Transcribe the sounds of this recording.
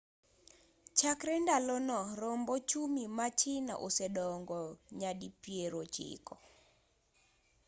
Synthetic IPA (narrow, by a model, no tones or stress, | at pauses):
t͡ʃakɾɛndalɔnɔɾɔmbɔt͡ʃumimat͡ʃina̰ʔosɛɗɔŋɡɔɲadipieɾot͡ʃɪ̰kɔ